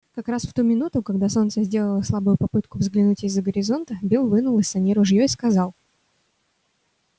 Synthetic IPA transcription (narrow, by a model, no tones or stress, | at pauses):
kɐkɾasft̪umʲɪnut̪ʊkɐɡ̚d̪aso̞nt̪səzʲdʲe̞lˠəlˠəslˠabʊjʊpɐpɨt̪kʊvzɡlʲɪnutʲɪzːəɡəɾʲɪzo̞nt̪əbʲilˠvɨnʊlˠɨsɐnʲiɾʊʐjoiskɐzɑlˠ